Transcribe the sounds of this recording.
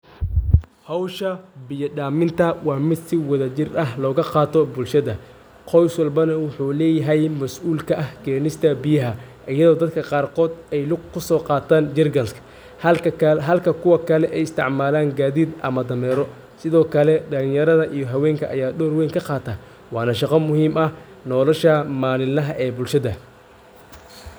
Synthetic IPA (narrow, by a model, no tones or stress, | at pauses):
hɔwʃɐbɪjɐɖaːmɪnt̪ʰɐwɑːmɪd̪sɪwɐðɐt͡ʃɪrɐɦlɔːɣɐqɑːt̪ʰɔbʊlʃɐðɐ | qʰɔjswɐlbɐnɐwʊħuːlɛːjɐɦɛjmɐsʔuːlkʰɐʔɐhɡɛːnɪst̪ʰɐbɪjɐɦɐ | ʔɐjɐðɔːd̪ɐd̪kʰɐqɑːrqɔːd̪ɛjlʊɡkʰːʊsɔːqɑːt̪ʰaːnd͡ʒɪrɡɐnskʰɐ̥ | hɐɦɐlkʰɐkʰʊwɐkʰɐlɛʔɛjɪst̪ʰɪ̰ʕmaːlaːŋɡaːðiːd̪ʔɐ̰mɐd̪ɐmɛːɾɔ | sɪðɔːkʰɐlɛd̪ɐlɪŋjɐɾɐðɐʔijɔɦɐwɛːŋkʰɐʔɐ̰jaːɖɔːrwɛjŋkʰɐqɑːt̪ʰaː | wɑːnɐʃɑqɐmʊɦiːmɐh | nɔːlɔʃɐmaːnɪlɐɦɐʔɛːbʊlʃɐðɐ